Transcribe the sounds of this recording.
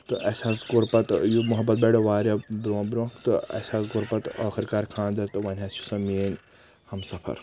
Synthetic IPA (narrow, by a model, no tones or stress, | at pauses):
t̪ɨʔɐsaːsɡuɾpɐt̪jumuɦɐbːɐt̪̚bʲeɽoʋaːɾɐbɾoːbɾõːkt̪ɨɐ̰saːsɡuɾpɐt̪ɐkʰɐɾʲkaːɾʲkʰaːnzɐt̪ɨʋɐnʲɦɐsu̥sɐmiːnʲ | hɐmsɐpʰɐ̰ɾ